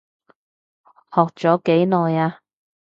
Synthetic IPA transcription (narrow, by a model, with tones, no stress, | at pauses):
hɔː˨k̚t͡sɔː˨˥ke˨˥jlɔː˨jaː˧